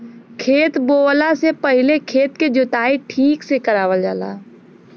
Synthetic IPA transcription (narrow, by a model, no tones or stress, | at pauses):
kʰeːt̪boːwlasepəɦɪlekʰeːt̪ked͡ʒʊt̪aːiʈʰiːksekəɾaːwəld͡ʒaːla̰ː